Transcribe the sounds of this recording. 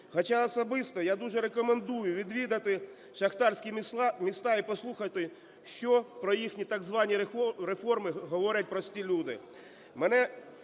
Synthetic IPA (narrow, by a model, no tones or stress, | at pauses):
xɐt͡ʃaɔsɔbɪst̪ɔjad̪uʒɛɾekɔmend̪ujʊʋʲid̪ʋʲid̪ɐt̪ɪ | ʃɐxt̪ɑrsʲkʲimʲist̪ɑipɔslˠuxɐt̪ɪ | ʃt͡ʃɔpɾɔjixnʲit̪ɑɡzʋɑnʲiɾefɔrmɪɦɔʋɔɾʲɐt̚ʲpɾɔsʲtʲilʲud̪ɪ | mɛnɛ